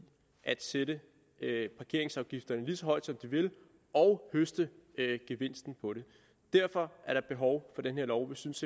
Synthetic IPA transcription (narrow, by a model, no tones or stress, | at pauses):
ʔæd̥seɾə | pʰɑ̈kʰe̝ɐ̰e̝ŋsɑ̈ʊɡ̥ifd̥ɐnəliːsɒ̽ɦɒ̽ɪ̰d̥sɒ̽md̥iʋe̝l | ɒʊhøsd̥əɡ̥eʋe̝n̰sd̥n̩pʰɒ̽ɾe̝ | d̥æɐ̰fɒ̽ʔæɐɾ̥ɑ̈b̥e̝ɦɒʊfɒ̽denhe̝ɐ̰lɒʊʋisyns